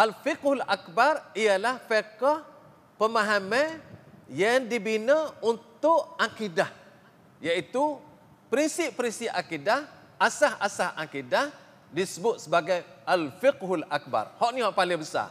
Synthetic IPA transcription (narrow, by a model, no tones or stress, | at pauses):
ʔalfɪkhulak̚barialahfekɔh | pəmaɦamɛ̃ | jaŋdibinəunt̪ʊʔakidah | jait̪u | pɾinsɪp̚pːɾinsɪʔʔakidah | ʔasahasahʔakidah | disəbʊt̪̚səbaɡajalfɪkɦulak̚ba̰rhɔʔnihɔʔpalɪŋbəsa̰